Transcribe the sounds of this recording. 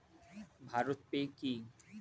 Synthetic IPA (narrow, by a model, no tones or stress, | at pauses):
bʱaɾot̪̚peki